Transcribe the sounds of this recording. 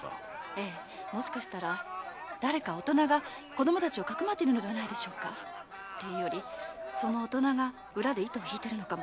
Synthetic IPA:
e̞ː | mo̞ɕi̥kaɕi̥t̪aɾad̪̥aɾe̞kao̞t̪o̞naɡa | ko̞d̪o̞mo̞t̪at͡ɕio̞kakɯ̟mat̪ːeiɾɯ̟no̞d̪e̞βanaid̪e̞ɕo̞ːka̰ | t̪ejɯ̟jo̞ɾʲiso̞no̞ːt̪o̞naɡa | ɯ̟ɾad̪e̞it̪o̞ːçʲiːt̪e̞ɾɯ̟no̞kamo

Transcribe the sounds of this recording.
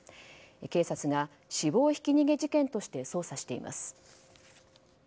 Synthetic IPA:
eke̞ːsat͡sɨɡa | ɕibo̞ːçi̥kʲiɲ̟iɡe̞d͡ʑikẽ̞nt̪o̞ɕi̥t̪e̞so̞ːsaɕi̥t̪e̞ḭmʔa̰sɨ̥

